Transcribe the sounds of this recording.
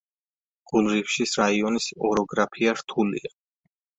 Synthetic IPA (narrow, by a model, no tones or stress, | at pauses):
ɡ̥ʼulˠɾifʃisɾaiɔnisɔɾɔɡɾapʰiaɾt̪ʰulḭa